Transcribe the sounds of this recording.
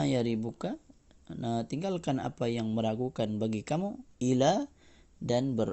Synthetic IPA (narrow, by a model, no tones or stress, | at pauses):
jaɾibuka | at̪iŋɡalkana̰pajaŋməɾaɡukanbaɡikamuila | danbər